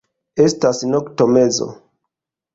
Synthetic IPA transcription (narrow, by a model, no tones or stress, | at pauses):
e̞stasnoktome̞zo̰